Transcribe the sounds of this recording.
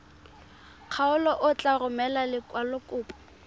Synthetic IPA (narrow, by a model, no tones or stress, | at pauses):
q͡χʰaʊlɔʔʊt͡ɬʼarʊmɛlalɪkʼwalʊkʼʊːpʼɔ̥